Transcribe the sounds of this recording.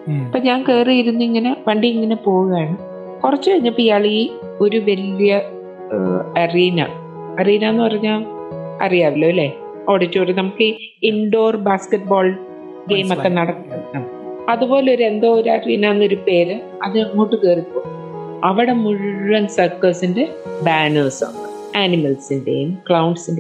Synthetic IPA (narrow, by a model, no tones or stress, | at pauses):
pːɐːɲaːŋke̞ːrijiɾunːuiŋːɐne̞ʋɐɳɖiiŋːɐne̞po̞ːɣuɣɐaːɳɨ | kurɐt͡ɕːɨɐɲːɐpːijaɐɭiɣi | o̞ɾuʋɐlijɐ | ɐriːnɐ̰ | ɐriːnɐenːɨpɐrɐɲːaːɭɐ̰rijaːʋilːɐɐlːe | o̞ːɽitːoːɾinɐmukːɨ | iɳɖo̞ːrbaːskeʈ̚bo̞ːl | ɡe̞ːmɐt̪ːenɐɽɐkːnɐm | ɐðubo̞ːle̞o̞ɾe̞nd̪oːɾariːnaːenːo̞ɾupe̞ːɾɨ | ɐðɨmuɽːukeːripːoː | ɐʋiɽe̞muɻɐnsɐrkɐsinde̞ | baːnoːsa̰ːnːɨ | aːnimɐlsindḛjumkɭɐwɳɖsinde